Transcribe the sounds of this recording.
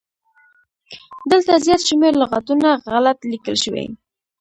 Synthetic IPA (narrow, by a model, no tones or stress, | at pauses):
d̪əlt̪azjɑt̪ʃmeɾlʊɣat̪unaɣalat̪likəlʃəwḛ